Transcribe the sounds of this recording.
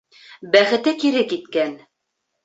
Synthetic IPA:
bæχɘ̆t̪ɘkiɾɘkit̪kæn

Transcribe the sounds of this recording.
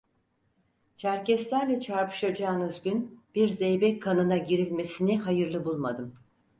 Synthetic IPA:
t͡ʃʰæɾcɛst̪ʲæɾlʲɛt͡ʃʰaɾpɯ̥ʃad͡ʒaːnɯzɟynb̥iɾzejbɛkʰːanɯnaɟiɾilʲme̞siniɦajɯɾlˠɯbulˠmad̪ɯm

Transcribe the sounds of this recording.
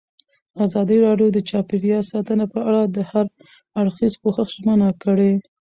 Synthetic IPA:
azɑd̪iɾɑɖjod̪ət͡ʃɑpeɾjɑsɑt̪ənapəaɽad̪əhaɾ | aɽxizpoxəxʒmənakəɽe

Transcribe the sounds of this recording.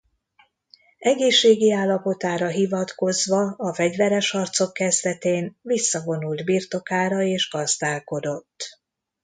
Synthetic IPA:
ɛɡeːʃːeːɡiaːlːɒpo̞t̪aːɾɒɦivɒt̪ko̞zʋɒɒfɛɟvɛɾɛʃɒrt̪so̞kːɛzd̪ɛt̪eːnvisːɒvo̞nuld̪birt̪o̞kaːɾɒeːʒɡɒzd̪aːlko̞d̪o̞t̪ː

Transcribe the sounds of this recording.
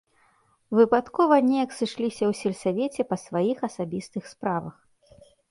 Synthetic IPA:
vɨpat̪kɔvɐnʲɛjɐksɨʂlʲisʲɐwsʲɛlʲsavʲet͡sʲɛpɐsvajixɐsabʲist̪ɨxspɾavɐ̰x

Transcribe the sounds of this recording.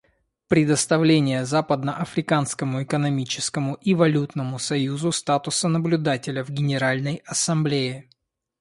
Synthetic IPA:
pɾʲɪd̪əst̪ɐvlʲenʲɪjəzapəd̪nəʔɐfɾʲɪkanskəmʊɪkənɐmʲit͡ɕɪskəmʊʔivɐlʲut̪nəmʊsɐjuzʊst̪at̪ʊsənəblʲʊd̪atʲɪlʲəvɡʲɪnʲɪɾalʲnəjɐsɐmblʲeɪ

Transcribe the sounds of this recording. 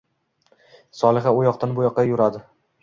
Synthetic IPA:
sɒlˠɪχaʊjɒqt̪ʰanbʊjɒqːɑjʊɾad̪ɪ

